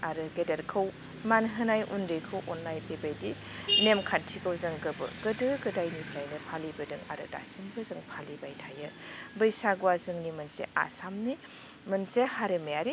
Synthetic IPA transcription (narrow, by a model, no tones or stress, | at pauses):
aɾɯɡedeɾkʰɯw | manɦɯnajʔundɯjkʰɯwʔɔnːajpʰebajdi | nemkʰantʰikʰawzaŋɡɯbɯ̰ɡ̥ɯdɯɡɯdajnipʰɾajnɯpʰalibɯdɯŋa̰ɾɯ̰da̰sinbɯzɐŋpʰalibajtʰajɯbɯjsaɡwazɯŋnimɯnsḛʔa̰samni | mɯnsehaɾemejaɾi